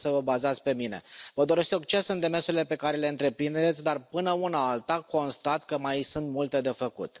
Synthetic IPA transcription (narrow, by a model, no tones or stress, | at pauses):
səvəbazat̪sʲpe̞mine̞̰vəd̪o̞ɾe̞st̪ok̚t͡ʃesɨnd̪e̞mersuɾile̞pe̞kaɾe̞le̞ɨnt̪ɾe̞pɾind̪et̪sʲd̪arpɨnəunaalt̪ako̞nst̪at̪kəmajsunt̪mult̪e̞d̪e̞fəkṵt̪